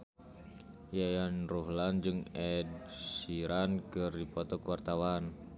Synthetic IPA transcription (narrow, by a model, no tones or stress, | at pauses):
jajanruɦland͡ʒɨŋɛd̚siɾankərdipɔt̪ɔkəwart̪awan